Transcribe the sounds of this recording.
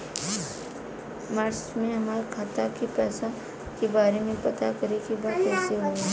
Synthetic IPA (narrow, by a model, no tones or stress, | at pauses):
mɐɾsmẽɦɐmaːɾkʰaːt̪akipɛːsa | kebaːɾemẽpɐt̪akɐɾekibaːt̪kɛːsiɦoːɛ